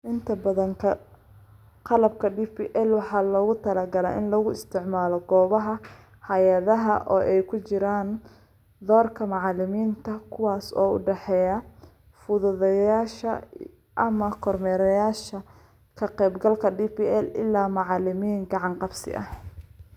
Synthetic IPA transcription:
ʔɪnt̪ʰɐbɐðɐŋkʰɐ | qɑlɐb̚kʰɐɖiːpiʔɛlwɑħɑːlɔːɣʊt̪ʰɐlɐɡɐla̰ːʔɪnlɔɣʊɪst̪ʰɪʕmaːlɔɡɔːβɐɦɐ | hɐjɐðɐɦɐʔɔːʔɛjkʰʊt͡ʃɪɾaːn | d̪ɔːrkʰɐmɑʕɑlɪmiːnt̪ʰɐkʰʊwaːsɔ̰ːʊ̰ɖɛħɛːjɐ | fʊðʊðɐjaːʃɐ | ʔɐmɐkʰɔrmɛːɾɐjaːʃɐ | kʰɐqɛjbɡɐlkʰɐɖiːpiːʔɛlɪ̰lːaːmɑʕɑlɪmiːŋɡɑʕɑnqɑbsɪ̰ʔɐ̰h

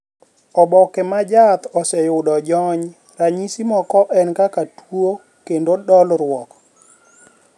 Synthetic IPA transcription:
ɔbɔkɛmad͡ʒat̪ɔsɛjʊdɔd͡ʒɔɲ | ɾaɲisimɔkɔʔɛnkakatwo | kendodɔlɾwɔk

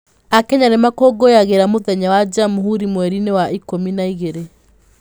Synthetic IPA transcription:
akɛɲanemakɔɡojaɣeɾamoðɛɲawad͡ʒamɦuɾimwɛɾinewaʔikominaiɣeɾe

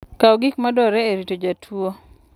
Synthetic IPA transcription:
kawɡikmadɔɾɛeɾitod͡ʒatʰuo

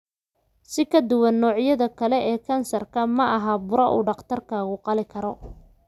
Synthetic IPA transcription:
sɪkʰɐd̪ʊwɐnːɔːʕjɐðɐkʰɐlɛʔɛːkʰɐnsɐrkʰɐmɐʔɐɦabʊɾɐʔṵːɖɑqt̪ʰɐrkʰaːɣʊqɑlɪkʰɐɾɔ

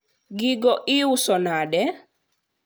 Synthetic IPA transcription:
ɡiɡɔʔiusɔnaɗɛ

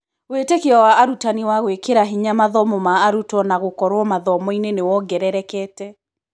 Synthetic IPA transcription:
wetekeɔwaːɾutaniwaɣwekeɾaɦiɲamaðɔmɔmaːɾutɔnaɣokɔɾwɔmaðɔmɔinenewɔɡɛɾɛɾɛkɛːtɛ

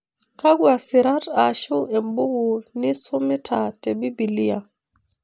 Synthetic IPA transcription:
kaɡuasiɾataʃuɛmbuɡunisumitʰatebibilija

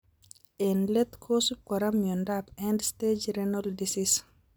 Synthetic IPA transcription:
ɛnlet̪kʰosukɔɾamjɔndapɛndsted͡ʒɾɛnɔldisis

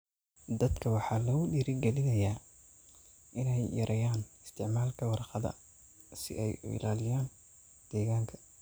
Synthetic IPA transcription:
d̪ɐd̪kʰɐwɑħɑːlɐɣʊɗiːɾɪɡɛlɪnɐjaː | ʔɪnɛjːɐɾʔɐjaːnɪst̪ʰɪʕmaːlkʰɐwɑrqɑðɐ̰ | sɪ̰ʔɛjʊ̰ʔɪ̰laːlɪjaːn | d̪̥ɛːɣaːŋkʰɐ̥

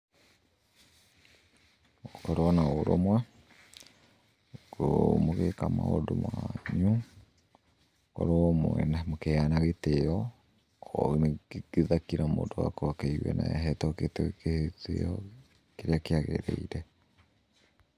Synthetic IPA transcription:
okɔɾɔnaoɾomwa | komoɣekama̰odomwaɲu | kɔ̰ɾomoɛnamokeanaɣetejɔ | nɡ̥eðakiɾamo̰ːndowa̰kɔkɛiwɛ̰na̰ɛɦɛtɔketkehtḛɔ | keɾeakeaɣḛɾeiɾɛ

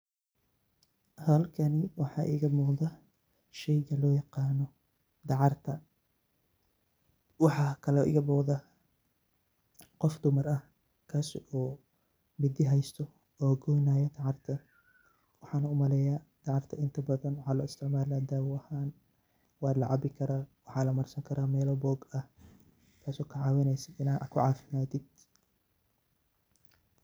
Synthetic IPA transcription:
hɐlkʰɐnɪwɑħɑːʔḭːɣɐmɔːðɐ | ʃɛjɣɐlɔːjɑqɑːnɔ | d̪ɑʕɑrt̪ʰɐ | wɑħɑːkʰɐlɛʔɪ̰ɣɐmɔːqðɐ | qɔfd̪ʊmɐrɐh | kʰɐsɔː | mɪd̪ɪɦɛjst̪ʰɔ | ɔːɡɔjnaːjɐt̪ʰɐʕɑrt̪ʰɐ | wɑħɑːnɐʊmɐlɛjaːt̪ʰɑʕɑrt̪ʰɐɪnt̪ʰɐbɐðɐnwɑħɑːlɔɪst̪ʰɪʕmaːlaːd̪aːwɐhaːn | wɑːd̪lɐʕɑbɪkʰɐɾaːwɑħɑːlɐmɐrsɐŋkʰɐɾaːmɛːlɔbɔːɡɐh | kʰaːsɔːkʰɐʕɑːwɪnɛjsɐd̪ɪnakʰʊʕɑːfɪmaːt̪ʰɪd̪̥

